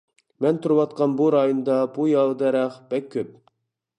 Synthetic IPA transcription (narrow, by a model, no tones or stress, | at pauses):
mɛnt̪ʰuɾɨwɑt̪̚qɑnbuɾɑjond̪ɑbujɑlˠd̪ɛɾɛχb̥ɛkʲʰːøp̚